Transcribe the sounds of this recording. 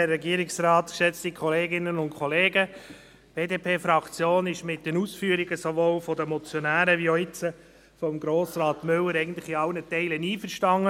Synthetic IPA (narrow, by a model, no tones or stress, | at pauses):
ɛrːɛɡiəɾɪksɾɑːtkʃɛt͡stikʰχɔleːɡɪnənʊntkʰɔleːɡə | b̥eːdeːpʰeːfɾɑkt͡sjoːnɪʃmɪt̚dənusfyəɾiɡəsoʋoːlfɔdəmɔt͡sjɔnæːɾəʋioɪt͡sə | fɔmɡɾoːsɾɑːtmʏlːəɾɛɪɡən̩t̪lɪχɪɑlnətɛɪləniːfəɾʃtɑŋːə